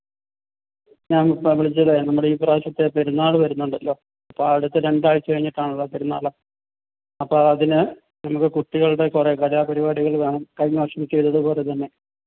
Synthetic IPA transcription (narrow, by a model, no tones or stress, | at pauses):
ɲaːnpɐʋiɭit͡ɕːɐlenɐmːuɽeiːpraːɕɐt̪ːe̞peɾunːaːɭɨʋɐɾunːuɳɖɐlːo̞ː | ɐpːoɐʋiɽut̪ːɨɾe̞ɳɖaːjit͡ɕːɨkɐɻiɲːiʈːaːɳuɭːɐpeɾunːa̰ːlːɐ | ɐpːoɐðinɨ | nɐmukːɨkuʈːiɣɐɭɽe̞kure̞kɐlaːpɐɾibaːɽiɣɐɭʋe̞ːɳɐmkɐjɲoːʂɐmt͡ɕe̞jt̪ːɐðɨpo̞ːle̞t̪ɐnːe̞